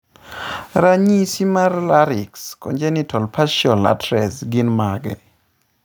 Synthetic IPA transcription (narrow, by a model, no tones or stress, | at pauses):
ɾaɲisimarlaɾɪkskɔ̰nd͡ʒɛnitʰɔlpaʃɔla̰tɾɛsɡinmaɡɛ̰